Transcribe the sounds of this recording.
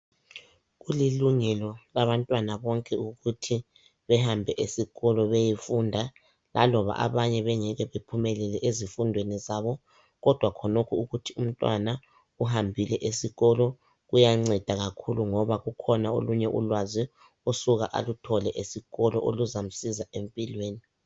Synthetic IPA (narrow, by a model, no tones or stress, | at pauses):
ɣuliluŋɛlɔlaβantʼwanaβɔŋkʼɛuɣutʰi | βɛhambʱɛʔesiɣɔlɔβejifundʱa | lʔa̰lɔβa̰ʔa̰βaɲɛβɛŋɛɣɛβepʰumɛlɛlɛʔezifundʱwenizaβɔ | ɣɔd̥ʱwakʰɔnokʰuuɣutʰium̩tʼwa̰na | uɦambʱilɛʔesiɣɔlɔ | ɣujaŋ͡ǀɛd̥ʱaɣakʰuluŋɔβaɣukʰɔnao̰luɲɛʔṵlwazi | usuɣaʔa̰lutʰɔlɛʔesiɣɔlɔ̰ʔo̰luzam̩sizaempʼilweːni